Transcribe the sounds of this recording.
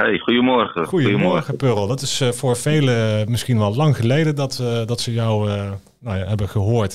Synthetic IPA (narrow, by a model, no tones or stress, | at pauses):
ɦejχujəmɔɹχəχujəəmɔɹχəpørəlˠdɑtɪsfʊːɹv̥ejləmɪsχinʋɛlˠlɑŋχəlejdədɑtdɑtsəjɔw | nawjaɦɛbəχəɦoːɹt